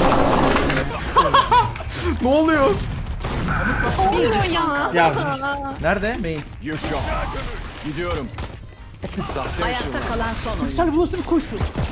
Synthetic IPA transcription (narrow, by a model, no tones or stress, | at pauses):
nolˠujos | oojamaja | næɾd̪ɛmeji | jy | ɟid̪ijo̞ɾum | sat̪ajaːakʰalˠansonysælʲbulˠsɯbikʰoʃulˠ